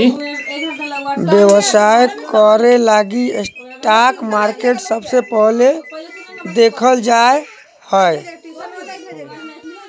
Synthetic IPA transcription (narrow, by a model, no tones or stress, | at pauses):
bjewəsajkːɔɾelaɡiesʈakmaɾkeʈsəbsepəɦle | d̪ekʰəld͡ʒae | həj